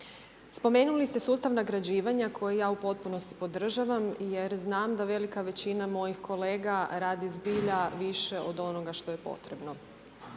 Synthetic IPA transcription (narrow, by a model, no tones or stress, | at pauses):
spo̞me̞ːnulist̪e̞suːst̪aʋnaɡɾad͡ʑiːʋaɲakʰo̞jejaːupo̞t̪̚puno̞st̪i̥po̞d̪r̩ʒaʋamje̞ɾznaːmd̪aʋe̞likaʋe̞t͡ɕinamo̞jixkʰo̞le̞ːɡaɾaːd̪izbiːʎaʋiʃe̞ʔo̞d̪o̞noɡaʃt̪o̞jepo̞̰t̪ɾe̞bno̞